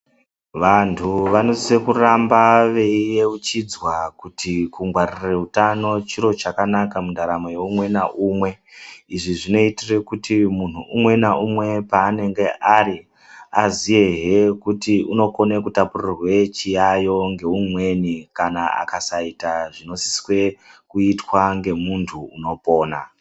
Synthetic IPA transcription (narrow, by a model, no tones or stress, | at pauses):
ʋantʰuʋano̞zisekurambaʋe̞ijeut͡ʃid͡zwakutʰikuŋɡwarire̞utano̞t͡ʃiɾo̞t͡ʃakanakamundʱaɾamojeumwe̞naʔumwe̞ | iʐiʐino̞itire̞kutimun̤uumwe̞naʔumwe̞paːne̞ŋɡe̞ʔaɾi | azije̞ɦekutiuno̞ko̞nekutapurirwet͡ʃijajo̞ŋɡe̞umwe̞nikanaa̰kasaitaʐino̞si̥swe̞kuitwaŋɡe̞muntʰuːno̞po̞ːna